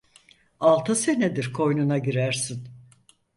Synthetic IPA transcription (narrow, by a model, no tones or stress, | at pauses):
alˠt̪ʰɯsened̪iɾkʰo̞jnunaɟiɾæɾsin